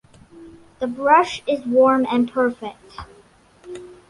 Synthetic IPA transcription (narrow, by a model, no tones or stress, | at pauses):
ðəbɹʌʃɪzwɔɹmɨ̃npʰɜ˞fɪk̚t